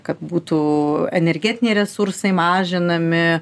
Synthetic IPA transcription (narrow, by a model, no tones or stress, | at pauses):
kɐt̪buːt̪uːɛnʲɛɾʲɡʲɛːt̪ʲɪnʲeɪɾʲɛsʊɾsɐɪmɑːʒʲɪnɐmʲɪ